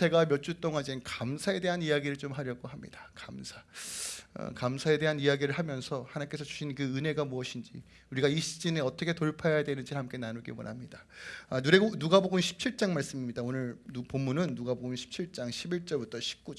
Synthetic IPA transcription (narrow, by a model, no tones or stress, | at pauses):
e̞ɡamjʌt͡ɕ͈ut͈oŋɦad͡ʑinkamsʰae̞de̞ɦanijaɡiɾɯɭt͡ɕomɦaɾjʌɡoɦamɲḭd̥akamsʰa | ʌ̰kamsʰae̞de̞ɦanijaɡiɾɯɭɦamjʌnsʰʌhanank͈e̞sʰʌt͡ɕuɕʰinkɯɯne̞ɡamuʌɕʰind͡ʑḭ | uɾiɡaiɕ͈ʰid͡ʑineʌt͈ʌkʰetoɭpʰajjadwenɯnd͡ʑiɭhamk͈e̞nanuɡimo̰namɲida | anuɾenuɡaboɡunɕʰi̥p̚t͡ɕʰiɭt͡ɕ͈aŋmaɭs͈ɯmiɲːidaonɯɭupomːunɯnːuɡaboɡunɕʰi̥p̚t͡ɕʰiɭt͡ɕ͈aŋɕʰibiɭt͡ɕ͈ʌɭbutʰʌɕʰi̥p̚k͈ud͡ʑ